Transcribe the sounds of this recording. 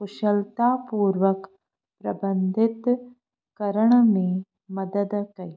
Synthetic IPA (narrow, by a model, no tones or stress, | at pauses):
xʊʃəlt̪aːpuːɾʋək | pɾɐbɐnd̪ʱɪt̪ | kɐɾəɳ̃mẽ | mɐd̪əd̪kɐi